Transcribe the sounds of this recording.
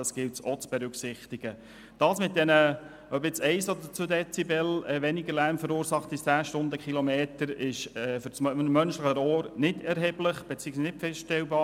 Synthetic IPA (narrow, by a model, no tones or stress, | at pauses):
ɑsɡ̥ɪltsot͡sb̥ɛɾʉksɪχt̪iɡ̥ə | d̥ɑːsmɪt̚d̥ɛnə | øbɪt͡sɛɪsɔd̪ət͡sudɛt͡sibɛlɛʋɛniɡəlæɾmfəɾuːɾsɑχtit͡sæːʃtʊndəkχilomeːtəɾɪʃɛːfʏɾsmːœnʃləχəɾɔːɾnɪdɛɾɦɛːbləχb̥ɛt͡siːəksnɪtfɛstɛlbɑː